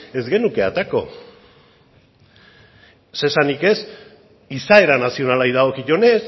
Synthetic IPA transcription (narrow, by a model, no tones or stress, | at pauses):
e̞zɣe̞nuke̞at̪ako̞̰ | sesanike̞s | isae̞ɾanasio̞nalajðaɣokiʝo̞ne̞s